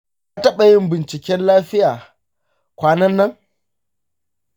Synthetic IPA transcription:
a˦tɐ˦ɓɐ˨jɪ˦mbɪ˨nt͡ʃɪ˨kʲɛ˦nlaː˦ɸɪ˦jaː˨ | kʷaː˦nɐ˦nːɐ˦ŋ

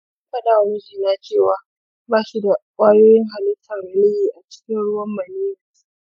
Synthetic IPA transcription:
kɐ˦ɗaː˨wnɪ˦d͡ʒiː˨naː˦t͡ʃeː˦˨waː˨ | baː˦ʃi˦da˨kʷʼaː˦joː˦jɪ˦ŋɦa˨lɪ˦tːɐ˨nɾɐ˨lɪ˦jiː˨ʔa˨t͡ʃɪ̥˦kʲɪ˦nɽʊ˦wɐ˦mːɐ˨niː˦ja˨˦

